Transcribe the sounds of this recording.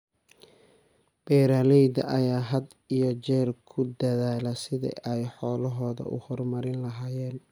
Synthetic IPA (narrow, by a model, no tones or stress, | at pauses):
b̥ɛːɾaːlɛjd̪ɐʔɐjaːɦɐd̪ | ijɔt͡ʃɛːrkʰʊd̪ɐðaːlɐsɪðɪ̰ʔɛjħɔːlɐɦɔːðɐ̰ʔʊ̰hɔrmɐɾɪnlɐɦaːjɛːn